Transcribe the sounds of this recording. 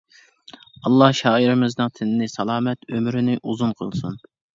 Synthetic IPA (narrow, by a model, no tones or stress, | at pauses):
ɑlˠːɑhʃɑːiɾɪmɪznɨŋt̪ʰɪnɪnɪsɑlˠɑːmɛt̪ʰømɾɪnɪʔuzunqʰə̰lˠsun